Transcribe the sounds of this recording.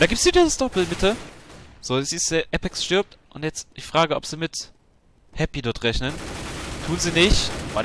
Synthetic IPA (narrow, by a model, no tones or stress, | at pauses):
d̥aːɡiːp̚tsidiːzəsd̥ɔpl̩mɪtə | z̥oːsiːsʔɛpɛksʃtʏɐp̚tʔʊntjɛt͡std̥ɪçfʁ̥aːɡəʔɔ̰pz̥iːmɪt | hɛpidɔɐtʁɛçnəntʰuːnziːnɪçtv̥a